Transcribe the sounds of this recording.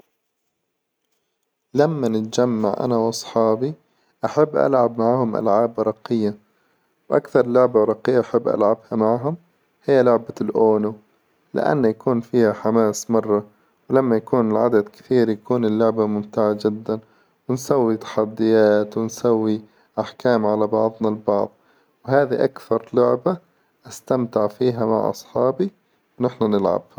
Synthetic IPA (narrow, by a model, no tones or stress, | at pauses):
lamːanɪt̪d͡ʒamːa̰ʕʔa̰nawʔɑsˤħɑːbi | ʔaħabːʔa̰lʕabmaʕhʊmʔa̰lʕaːbɾˤɑqɪjːa | wʔa̰kθɑɾˤlʊʕbaɾˤɑqːɪjːaʔaħabːʔa̰lʕabhamaʕɦʊm | hɪjːalʊʕbalʔoːnu | lɪ̰ʔa̰nːajakuːnfiːhaħamaːsmɑrˤːɑ | wlamːajakuːnɪlʕad̪ad̪kɪ̥θiːɾjakuːnɪlːʊʕbamʊmt̪aʕad͡ʒɪd̪ːan | wɪnsawːit̪ḁħad̪ːɪjaːt̪wɪnsawːi | ʔaħkaːmʕalabɑʕðˤnalbɑ̰ʕðˤ | wɦaːðiʔakθɑɾˤlʊʕba | ʔast̪amt̪ɪʕfiːɦama̰ʕʔɑ̰sˤħɑːbi | wnɪħnanɪlʕa̰bha